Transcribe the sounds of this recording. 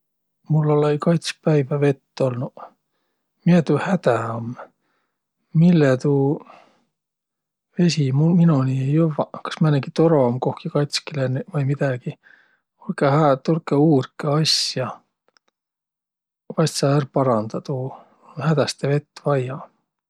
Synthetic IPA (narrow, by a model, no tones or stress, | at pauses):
mulːolejkɑjt̪s̚pæjvæve̞t̪ːo̞lnu | miet̪uhæd̪̥æom | milːet̪uː | ve̞simuminunijovɑkɑ̥smænːeɡit̪oɾo̞mkohkikɑjt̪skilenvɤjmid̪æɡ̥i | ulkehæt̪ulkeuːrkeɑsjɑ | vɑjst̪sɑærpɑɾɑnd̪̥ɑt̪u | hæd̪̥æst̪eve̞t̪ːvɑjɑ